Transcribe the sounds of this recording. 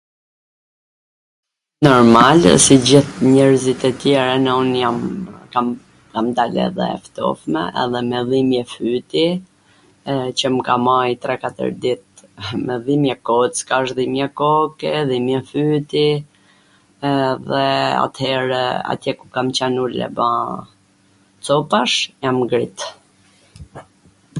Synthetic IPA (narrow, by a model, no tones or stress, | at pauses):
nɔɾmalsid͡ʑiθɲɛɾzit̪ɛt̪jɛɾanɛɔnjamka | kamd̪alɛ̰ðɛ̰ft̪ɔ̰fmɛ̰ʔɛ̰ðɛmɛðimjɛfyt̪i | t͡ɕəmkamajt̪ɾɛkat̪ə̰ɾd̪it̪̚mɛðimjɛkɔt͡skaʃðimjɛkɔkɛðimjɛfyt̪i | ðɛa̰t̪hɛɾa̰t̪jɛkukamt͡ɕanulɛ̰bã | t͡sɔpaʃjamɡɾit̪